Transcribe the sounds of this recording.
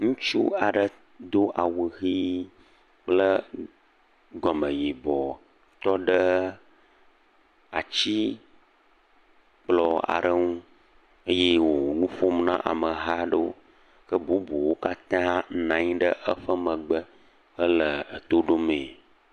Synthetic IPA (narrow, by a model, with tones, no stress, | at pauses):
ŋũ˦t͡ʃṵ˦a˨ɖə˦˨ | d̪o˦ʔa˨wə˨ɣi˦ | k͡plə˦ | ɡɔ˨mə̃˨ji˨bɔ˨ | t̪ɔ˦ɖə˦ | a˨t͡ɕi˦ | k͡plɔ˨a̰˨ɖə˦ŋũ˦ | ə˦je˦wo˨nũ˦fo˦mnã̰˦ʔa̰˨mə˨ɦa˦ɖə˦wo˦ | kə˦bu˦bu˨wo˦ka˦t̪ã˦nã˨ɲĩ˦ɖə˦ʔə˦ɸə˦mə̃˨ɡ͡bə˦ | ə˦lə˨ə˨t̪o˦ɖo˦mẽ˨